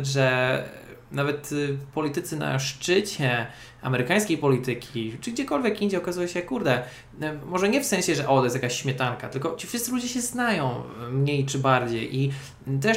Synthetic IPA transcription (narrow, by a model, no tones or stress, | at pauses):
ʐɛ | navɛt̪pɔlʲit̪ɘt̪sɘna̰ʂt͡ʂɘt͡ɕɛ | a̰mɛɾɘkaj̃skʲejpɔlʲit̪ɘkʲʰit͡ʂɘɡd͡ʑɛkɔlvʲjɛkind͡ʑɛɔkazujɛɕɛjkːuɾd̪ɛ | mɔʐɛɲɛfsɛ̃ɕɛʐɛʔɔt̪ɔjɛst̪jakaɕɕmʲɛt̪aŋkat̪ɘlkɔt͡ɕifʂɘst̪sɘlud͡ʑɛɕɛznajɔ̃w̃mɲejt͡ʂɘbaɾd͡ʑḛjʔi | t̪̬ɛʂ